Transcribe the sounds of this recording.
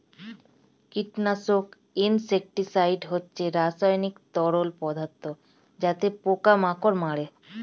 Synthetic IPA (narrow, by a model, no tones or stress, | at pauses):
kiʈnasok | insek̚ʈisajɖɦotːʰeɾasajnikt̪ɔɽolpɔd̪ʱat̪ːo | d͡ʑat̪epokamakoɾmaɽe